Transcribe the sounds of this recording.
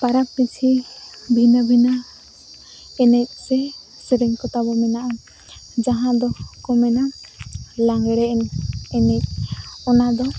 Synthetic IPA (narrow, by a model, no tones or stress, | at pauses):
paɾapːit͡ʃʰibʱinəbʱinə | ɛnɛc̚ˀsɛ | səɾɛŋkɔt̪abɔmɛnaʔa | d͡ʒaɦãd̪ɔkɔmɛna | laŋɡɛɽɛʔɛnɛnɛc̚ˀɔnad̪ɔ